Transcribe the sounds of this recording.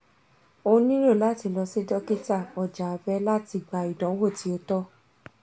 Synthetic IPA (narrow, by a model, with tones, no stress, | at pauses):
õ˧˦nĩ˦ɾo˦˨la˦ti˧lɔ˧si˦dɔ˦ki˦ta˦˨ɔ˨d͡ʒa˨˧fɛ˦la˦ti˧ɡ͡ba˧˨i˨dɔ̃˨˦wo˦˨ti˦o˧tɔ˦